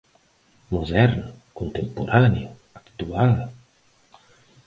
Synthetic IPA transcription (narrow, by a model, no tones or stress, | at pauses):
muðɛɾnkunt̪empuɾani | akt̪ual